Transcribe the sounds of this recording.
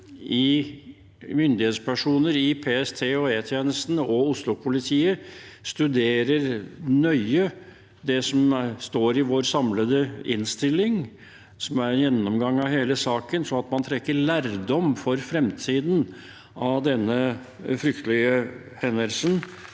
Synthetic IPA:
ʔɪ | mʏnd̪ɪheːt̪spʰæʂuːnəɾɪpʰeːɛst̪ʰeːoɔeːt̪ʰjeːnəst̪n̩ɔʊslʊpʰʊlɪt̪ʰiːəst̪ʉd̪eːɾəɾnœʏə | d̪ɛsɔmst̪oːɾɪʋoːɾsɑmləd̪əɪ̰nst̪ɪlːɪŋ | sɔmæɾjɛnːɔmɡɑŋːɑʋɦeːləsɑːkənsɔɑt̪mɑnt̪ʰɾɛkːəɭæːɾd̪ɔmfɔɾfɾɛmt̪ʰiːd̪n | ɑʋd̪ɛnːə | fɾʏkt̪əlɪə | hɛnəlsən

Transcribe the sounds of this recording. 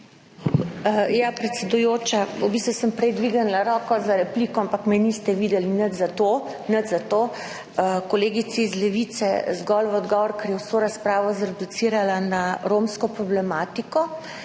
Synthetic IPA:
japɾɛt̪sɛd̪ujoːt͡ʃaubiːst̪ʋusəmpɾɛjd̪ʋiɡənlaɾɔːkɔzaɾɛpliːkɔampakmɛnist̪ɛʋiːd̪ɛlinət̪zat̪o | nət̪zat̪oː | kɔleːɡit̪siːzlɛʋit̪sɛ̰zɡɔlʋɔd̪ɡɔːʋɔɾkəɾjɛwsoːɾaspɾaːʋɔzɾɛd̪ut̪siːɾalanaɾomskɔpɾɔblɛmaːt̪ikɔ

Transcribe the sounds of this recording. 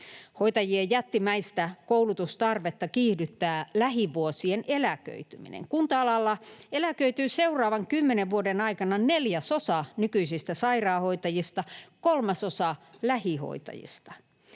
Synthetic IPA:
hoit̪ɑjiejjæt̪ːimæist̪ækoulut̪ust̪ɑrʋet̪ːɑkiːhdyt̪ːæːlæɦiʋuosienʔelækø̰yt̪ymḭnḛŋkunt̪ɑɑlɑlːɑelækøyt̪yːseurɑːʋɑŋkymːeneʋʋuodenɑikɑnɑneljæsosɑnykyisist̪æsɑirɑːhoit̪ɑjist̪ɑkolmɑsosɑlæhiho̰it̪ɑ̰jḭst̪ɑ̥

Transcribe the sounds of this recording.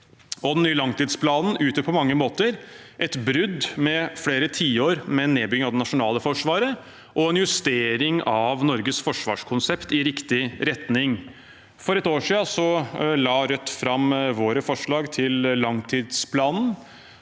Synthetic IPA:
ɔd̪ɛnnyːəlɑŋt̪iːd̪spʰlɑːnn̩ʉːt̪əpʰɔmɑŋːəmoːt̪əɾʔɛt̪bɾʏd̪mɛfleːɾət̪ʰiːoːɾmɛnːeːbʏɡɪəɑʋd̪ɛnɑʂʊnɑːləfɔʂʋɑːɾə | ʔɔɛnjʉst̪eːɾɪŋɑʋnɔɾɡəsfɔʂʋɑ̰ːʂkʰʊnsɛpt̪ɪɾɪkt̪ɪɾɛt̪nɪŋ | fɔɾɛt̪oːʂiːɑsɔlɑːɾœt̪ːfɾɑmʋoːɾəfɔʂɭɑːɡt̪ʰɪllɑŋt̪ʰiːd̪spʰlɑːnn̩

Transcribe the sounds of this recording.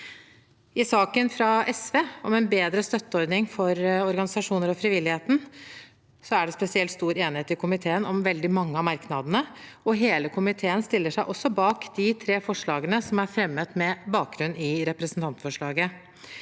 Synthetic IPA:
ɪsɑːkənfɾɑʔɛsʋeːɔmɛnbeːd̪ɾəst̪œt̪ːəɔɾd̪nɪŋfɔɾɔɾɡɑnɪsɑʂuːnəɾɔfɾɪʋɪlːɪheːt̪n̩ | sɔæɖɛspɛsɪɛlt̪st̪uːɾeːnɪheːt̪ɪkʰʊmɪt̪ʰeːənɔmʋɛld̪ɪmɑŋːəɑmɑɾknɑd̪ənəɔɦeːləkʰʊmɪt̪ʰeːənst̪ɪlːəʂæɪʔɔsːɔbɑːkd̪ɪt̪ʰɾeːfɔʂɭɑːɡənəsɔmæɾfɾɛmːət̪mɛbɑːk̚ɡɾʉnːɪɾɛpɾɛsn̩t̪ɑnt̪fɔʂɭɑːɡə

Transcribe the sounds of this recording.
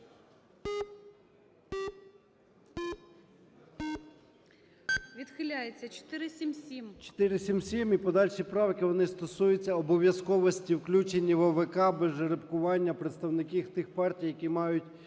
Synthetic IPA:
ʋʲid̪xɪlʲajet͡sʲːɐt͡ʃɔ̥t̪ɪɾɪsʲimsʲimt͡ʃɔ̥t̪ɪɾɪsʲimsʲimipɔd̪ɑlʲʃipɾɑʋkɪʋɔnɪst̪ɔsujʊt͡sʲːɐɔbɔʋʲjɐskɔʋɔsʲtʲiwklʲut͡ʃenʲːiʋɔʋekɑbeʒeɾepkʊʋɑnʲːɐpɾet̪st̪ɐwnɪkʲiwt̪ɪxpɑrtʲijɐkʲimɑjʊtʲ

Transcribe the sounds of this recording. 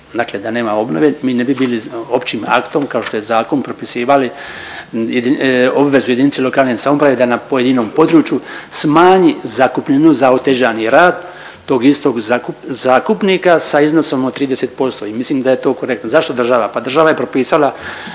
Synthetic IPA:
d̪aːkled̪aneːmao̞bno̞ʋemiːnebibiːlio̞pt͡ɕiːma̰kt̪o̞mkaoʃt̪o̞jezaːko̞npɾopisiːʋali | d̪io̞bʋe̞zujeinit̪silo̞kaːlnesamo̞pɾaʋed̪anapo̞je̞d̪ino̞ːmpo̞d̪ɾuːt͡ʃjusmaːɲizakupʎenuzaot̪eʒaːniɾaːd̪ | t̪o̞ːɡist̪o̞ɡzakuzaːkupniːkasaizno̞so̞mot̪ːɾiːd̪e̞set̪̚po̞st̪o̞imisliːmd̪ajet̪o̞ːkoɾe̞k̚t̪nozaʃt̪o̞d̪r̩ʒaʋapad̪r̩ʒaʋaje̞pɾo̞piːsala

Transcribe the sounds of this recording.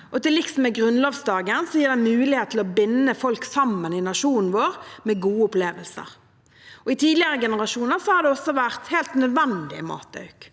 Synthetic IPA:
ʔɔt̪ɪlɪksɔmɛɡɾʉnloːʋsd̪ɑːɡənsɔjiːʁd̪ɛmʉːlɪheːt̪ʰːɪlɔbɪnːəfɔlksɑmːənɪnɑʂuːnn̩ʋoːɾmɛɡuːəʊpleːʋəlsə̰ʁ | ʔɔɪt̪ʰiːd̪lɪəɾəɡɛnəʁɑʂuːnəʁsɔhɑd̪ɛɔsːɔʋæʁt̪heːlt̪nœd̪ʋɛnd̪ɪ̰mɑ̰ːt̪̚d̪ɑ̰ʉk

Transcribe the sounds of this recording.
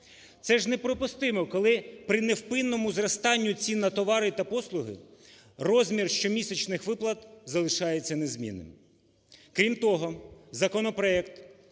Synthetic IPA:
t̪sɛʒnepɾɔpʊst̪ɪmɔkɔlˠɪpɾɪnewpɪnːɔmʊzrɐst̪ɑnʲːʊt͡sʲinːɐt̪ɔʋɑɾɪt̪ɐpɔslˠʊɦɪ̰ | rɔzʲmʲirʃt͡ʃɔmʲisʲet͡ʃnɪxʋɪplˠɐt̪zɐlˠɪʃɑjet͡sʲːɐnezmʲḭnɪ̰m | kɾʲimt̪ɔɦɔzɐkɔnɔpɾɔɛkt̪

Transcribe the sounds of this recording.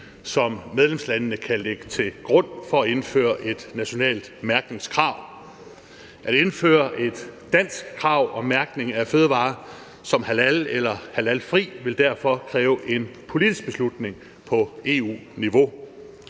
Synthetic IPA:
sɒ̽mːeð̞ˠlemslænənəkʰæleɡ̥ə̥t͡sʰe̝ɡ̥ʁɔ̽n̰fɒ̽æe̝nfø̰ːɐʔe̝d̥næɕo̝nɛ̰ːld̥mæɐɡ̥̚ne̝ŋskʰʁɑ̈ʊ̰ | ʔæɾ̥e̝nfø̰ːɐʔe̝d̥ː | æn̰sɡ̥kʰːʁɑ̈ʊ̰ɒ̽mæɐɡ̥ne̝ŋæføːð̞ˠʋɑ̰̈ː | sɒ̽mhælælelɐhælælfʁḭːʋe̝ld̥æɐ̰fɒ̽kʰʁɛːʊʔe̝npʰo̝lid̥is̚b̥e̝slud̥ne̝ŋ | pʰɒ̽e̝̰ṵːniʋo̝

